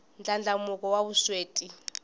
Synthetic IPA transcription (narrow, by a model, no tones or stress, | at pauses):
nd͡ɮʱʼand͡ɮʱamuk̬ʼɔwaβusweːtʼi